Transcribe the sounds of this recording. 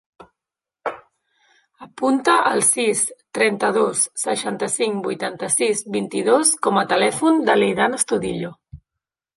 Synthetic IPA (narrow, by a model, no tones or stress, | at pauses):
əpunt̪əʔə̰lˠsist̪ɾɛnt̪əð̞osːəʃant̪əsiŋbujt̪ant̪əsizβint̪iðoskɔmət̪əlɛfund̪əlejðanəst̪uðiʎo